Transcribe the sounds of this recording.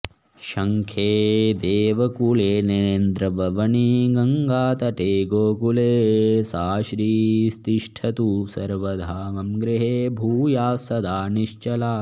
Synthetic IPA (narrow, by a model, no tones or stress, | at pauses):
ʃɐŋkʰeːd̪eːʋɐkuleːnend̪ɾɐbʱɐʋɐniɡɐŋɡaːt̪ɐʈ̪eːɡoːkuleːsaːʃɾiːst̪iʃʈʰɐt̪usɐɾʋɐd̪ʱaːʋɐmɡɾiɦeːbʱuːjaːsɐd̪ʱaːniʃt͡ʃɐlaː